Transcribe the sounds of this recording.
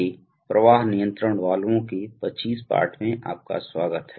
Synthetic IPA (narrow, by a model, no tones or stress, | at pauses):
e | pɾəʋaːɦnijə̃nt̪ɾəɽ̃ʋaːlõkepət͡ʃiːspa̰ːɾʈʰmẽʔa̰ːp̚ka̰swaːɡət̪ɦ